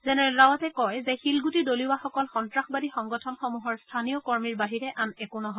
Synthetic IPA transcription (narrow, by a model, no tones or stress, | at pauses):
zɛnɛɹɛɹawatɛkɔjzɛxilɡutidoliwaxɔkɔlxɔntɹaxbadixɔŋɡɔtʰɔnxɔmuɦɔɹstʰanijɔkɔɹmiɹbaɦiɹɛʔanɛkonɔɦɔ